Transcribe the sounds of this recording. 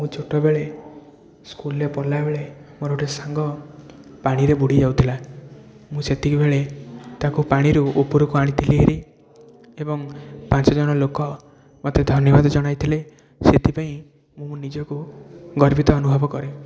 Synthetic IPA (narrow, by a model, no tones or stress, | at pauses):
mũt͡ʃʰoʈɔbeɭe | skulepɔlabeɭemoɾoʈesaŋɡɔ | paɽ̃iɾebuɽ̤id͡ʒawt̪ʰila | mũset̪ʰikubʱeɭet̪akupaɽ̃iɾuopuɾukuaɽ̃it̪ʰiliɦeɾʔi | ebɔŋpãnt͡ʃɔd͡ʒɔɽ̃ɔlokɔ | mɔt̪ed̪ʱɔnjɔbad̪ɔd͡ʒɔɽ̃ajt̪ʰile | set̪ʰipaĩ | mũnid͡ʒɔkuɡɔɾbit̪ɔːnubʱɔbɔkɔɾe